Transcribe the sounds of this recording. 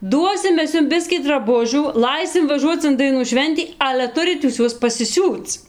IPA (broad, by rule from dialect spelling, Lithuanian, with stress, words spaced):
ˈduɔsʲɪm ˈmʲɛs ˈjʊm ˈbʲɪsʲkʲiː drɐˈbʊʒʲuː ˈlˠɐɪsʲɪm ʋɐˈʒuɔt͡s ɪn dɐɪˈnuː ˈʃʲʋʲɛnʲtʲiː ˈɑːlʲɛ ˈtʊrʲɪt juːs juɔs pɐsʲɪˈsʲuːt͡s